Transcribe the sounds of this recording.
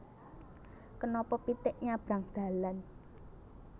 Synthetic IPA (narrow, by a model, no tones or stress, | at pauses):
kənɔpɔpit̪ɪʔɲab̥ɾä̤ŋd̪̥ä̤lan